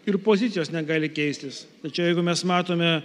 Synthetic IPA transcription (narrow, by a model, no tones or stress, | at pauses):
ɪɾpoːzʲɪt̪sʲɪjoːsnʲɛɡɑːlʲɪkʲɛɪsʲt̪ʲɪst̪ɐt͡ʃʲɛʊjɛɪɡʊmʲɛsmɑːt̪oːmʲɛ